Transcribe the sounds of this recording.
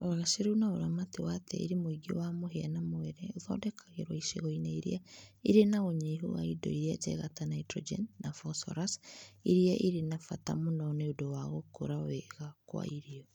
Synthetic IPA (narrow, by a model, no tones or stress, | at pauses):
oaɣaʃeɾunaoɾamatewatʰɛ̰ḭɾemoiɡo̰wamoɦeanamoɛɾɛoðɔdɛkʰaɣeɾwaiʃḛɣɔineiɾḭaiɾenaɣoɲeɦo̰wa̰idɔ̰iɾiad͡ʒɛ̰ɣatanaitɾɔ̰d͡ʒɛ̰nːafɔsɔ̰ɾasiɾiaʔiɾenafata̰monɔneodowaɣokoɾawɛɣakwa̰iɾiɔ